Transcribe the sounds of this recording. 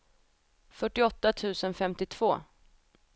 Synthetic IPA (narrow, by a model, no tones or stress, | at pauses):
fœʈːɪɔt̪ːat̪ʰʉ̟ːsənfɛmt̪ɪt̪ʰv̥oː